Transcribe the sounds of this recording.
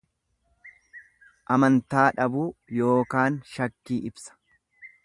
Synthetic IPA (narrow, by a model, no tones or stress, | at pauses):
ʔɐmɐnt̪aːᶑɐbuːjo̞ːkaːnʃɐkːiːʔɪbsɐ̥